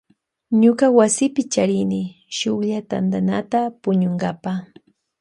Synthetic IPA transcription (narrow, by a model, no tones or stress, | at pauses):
ɲʊkawasɪpɪt͡ʃaɾɪnɪ | ʃoχʎat̪and̪anat̪apʊɲoŋɡapa